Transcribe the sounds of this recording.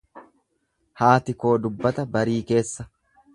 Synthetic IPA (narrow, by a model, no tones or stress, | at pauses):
haːt̪ɪko̞ːd̪ʊbːɐt̪ɐbɐɾiːke̞ːsːɐ